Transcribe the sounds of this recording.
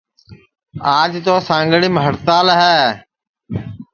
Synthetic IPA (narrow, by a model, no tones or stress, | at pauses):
aːd͡ʒt̪oːsãːŋɡəɽiːməɦəɾt̪aːlɦɛː